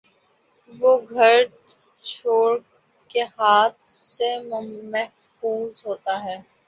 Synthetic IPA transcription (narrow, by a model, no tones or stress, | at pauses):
ʋoːɡʱɐɾ | t͡ʃʰoːɽ | kehaːt̪̚ʰsemmɛɦ | fuːzɦoːt̪aɦɛː